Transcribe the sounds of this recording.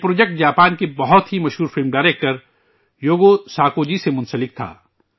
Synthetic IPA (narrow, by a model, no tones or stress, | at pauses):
pɾoːd͡ʒek̚ʈ̚d͡ʒaːpaːnkebɐɦʊt̪ɦimɐʃɦuːɾfɪlmɖaːɪɾeːk̚ʈəɾ | joːɡosaːkoːd͡ʒisemʊ̃nsəlɪk̚t̪ʰa̰ː